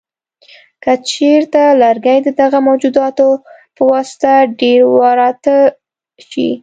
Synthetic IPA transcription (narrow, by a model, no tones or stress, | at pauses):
kat͡ʃeɾt̪alaɾɡajd̪əd̪aɣamawd͡ʒud̪ɑt̪opəwɑsɪ̥t̪aɖeɾwɑɾɑt̪ə | ʃḭ